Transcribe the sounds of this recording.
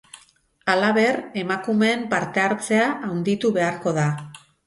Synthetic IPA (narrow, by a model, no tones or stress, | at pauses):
alaβ̞e̞re̞makume̞ːmpaɾt̪e̞aɾt͡se̞aʔawnd̪it̪uβe̞aɾko̞ð̞a